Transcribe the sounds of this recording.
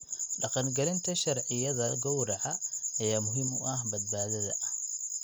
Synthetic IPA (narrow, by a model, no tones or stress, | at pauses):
ɖɑqɑnɡɐlɪnt̪ʰɐʃɐrʕɪjɐðɐɡɔwɾɑʕɑɐjaːmʊɦiːmʊʔɐhbɐd̪̚baːðɐðɐ̰